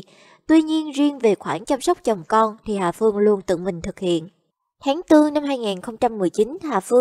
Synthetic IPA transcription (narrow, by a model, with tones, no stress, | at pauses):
t̪wi˧ɲi˧ənzi˧ənve˨˩xwaː˧˩nt͡ɕa˧msə˦˥wk͡p̚t͡ɕə˨˩wŋ͡mkɔ˧nt̪ʰi˨˩haː˨˩fɨ˧əŋlu˧ənt̪ɨ̰˧˨mï˨˩ŋ̟t̪ʰɨ˨˩k̚hḭ˧˨ən | h̪aː˨˦ŋt̪ɨ˧əŋna˧mɦaː˧jŋaː˨˩nxə˧wŋ͡mt͡ɕa˧mːɨ˨˩əjt͡ɕi˨˦nhaː˨˩fɨ˧